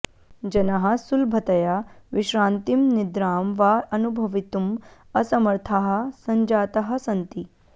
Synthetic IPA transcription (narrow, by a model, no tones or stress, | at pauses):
d͡ʒɐnɐɦɐsulbʱɐt̪ɐjaʋiʃɾãːnt̪imnɪd̪ɾaːmʋaɐnubʱɐʋit̪um | ɐsɐmɐɾt̪ʰaɦɐ̆sɐɲd͡ʒaːt̪ɐɦɐ̆sɐnt̪i